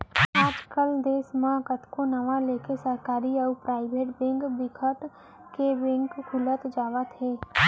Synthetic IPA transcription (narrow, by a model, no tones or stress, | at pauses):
aːd͡ʒkəld̪eːsmãkət̪konɐʋãleːkesəɾkaːɾiɔːpɾaːɪʋeːʈbẽːŋɡbɪkʰəʈ | keɾẽŋkkʰʊlət̪d͡ʒaːʋat̪ʰɦeː